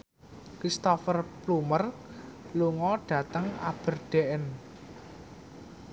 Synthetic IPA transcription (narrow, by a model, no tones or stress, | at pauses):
kɾist̪ɔfərplumərluŋɔɖ̥ä̤t̪əŋa̰b̥ə̤rɖ̥eʔɛn